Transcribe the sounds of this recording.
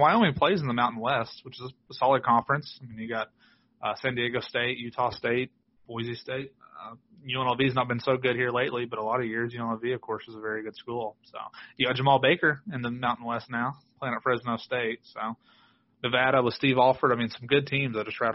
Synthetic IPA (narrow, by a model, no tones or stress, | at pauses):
waɪõʊ̃nlipʰl̥eɪzn̩ðəmãʊ̃nʔn̩wɛst̚wət͡ʃɨzəəsɑlˠəd̚kʰɑ̃ɱfɹɨ̃nsaɪmĩnjɨɡɑt̚ | ʌsæ̃ndieɪɡoʊsteɪʔ̚jʉtʰɑsteɪt̚ | b̥ɔɪzisteɪt̚ʌ | jʉɛ̃ñl̩ˠviznət̚b̥ɨ̃nsoʊɡʊd̚hiɹleɪʔlibʌɾəlɑɾʌvjɪɹzjʉɛ̃nl̩ˠviɨv̥kʰɔɹsɨzəvɛɹiɡʊd̥skulˠso̰ʊjɨɡɑd̥ʒ̥əmɑlˠbeɪkə˞ɨ̃nðɨmãʊ̃nn̩wɛstⁿnaʊpʰl̥eɪ̃nɨtfɹɛznəʊsteɪt̚soʊ | nɨvæɾəwʌz̥stivɔlˠfə˞ɾaɪmĩnsʌ̃mɡʊd̚tʰĩmzəʌ̥tʰɹ̥æɪ